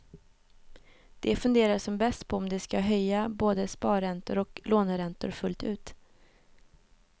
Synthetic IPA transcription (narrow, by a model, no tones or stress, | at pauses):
d̪̥ɛfɵnd̪eːɾaʂɔmbɛst̪pʰɔɔmd̪ɛskaɦœjːaboːd̪əspɑːɾɛnt̪ʊ̰ɾɔkloːnɾɛnt̪ʊ̰ɾfɵlt̪ʉ̟ːt̪